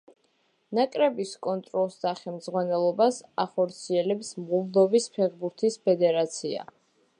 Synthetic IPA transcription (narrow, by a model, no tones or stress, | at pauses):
nakʼɾɛbiskʼɔnt̪ʼɾɔlˠsd̪aχɛmd̪zʁwanɛlˠɔbasaχɔɾt̪sʰiɛlɛpsmʁuld̪ɔbispʰɛʁbuɾt̪ʰispʰɛd̪ɛɾat̪sʰia̰